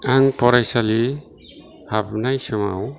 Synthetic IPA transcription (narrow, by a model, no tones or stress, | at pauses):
aŋpɔɾajsali | habnajsɔma̰w